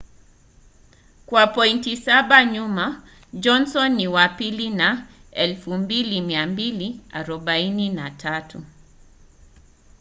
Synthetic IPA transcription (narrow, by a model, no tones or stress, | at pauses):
kwapɔintisaɓaɲuma | d͡ʒɔnsɔnːiwapilinaɛlfumbilimiambilia̰ɾɔɓaininatʰatu